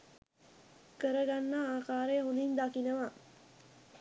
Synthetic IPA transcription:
kəɾəɡanːaaːkaːɾeɦund̪ind̪akinəʋa

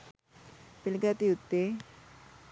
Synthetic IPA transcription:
pilɡat̪iut̪ːe

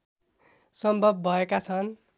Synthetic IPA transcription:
sʌmbʱʌb̚ːʱʌekat͡sʰʌn

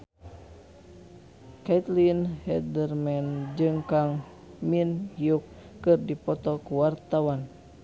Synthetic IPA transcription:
kait̪linhɛdərmɛnd͡ʒɨŋkaŋ | minhiukː | ɨrdipɔt̪ɔkuwart̪awan

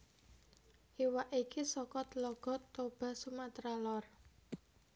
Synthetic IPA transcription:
ʔiwaʔikisɔkɔt̪lɔɡ̥ɔ̤t̪ːob̥a̤sumat̪ɾalɔr

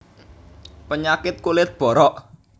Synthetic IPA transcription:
pəɲakɪt̪̚kulɪt̪̚b̥ɔ̤ɾɔʔ

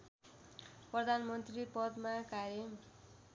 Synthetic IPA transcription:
prʌd̪ʱanmʌnt̪ripʌd̪makaɾʌ

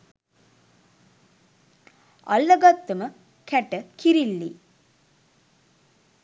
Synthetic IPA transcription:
ɐ̰lːəɡat̪ːəmə | kʰæʈəkʰiɾilːi

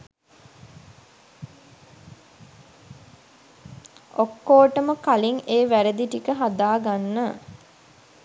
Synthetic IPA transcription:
okːoːʈəməkaliŋeːʋæɾəd̪iʈikəɦad̪aːɡanːə

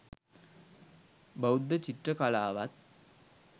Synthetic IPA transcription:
bəwd̪ːət͡ɕiʈrəkalaːʋat̪̚

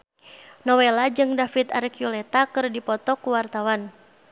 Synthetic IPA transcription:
nɔwelad͡ʒɨŋdafit̪aɾɛkjulɛt̪akɨrdipɔt̪ɔkuwart̪awan

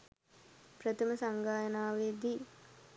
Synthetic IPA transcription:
prət̪ʰəməsaŋɡaːjənaːʋeːd̪i

